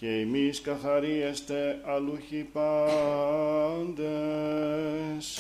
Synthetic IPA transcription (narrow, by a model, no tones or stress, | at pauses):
ceemiskɐθɐɾiest̪eɐluçipɐ | nd̪e | s